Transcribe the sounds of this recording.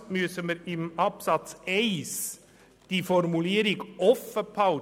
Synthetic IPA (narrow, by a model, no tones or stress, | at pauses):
myəsəməɾɪmɑpsɑt͡sɛɪs | d̥ifɔɾmuliːəɾɪɡʔɔfəpʰɑʊ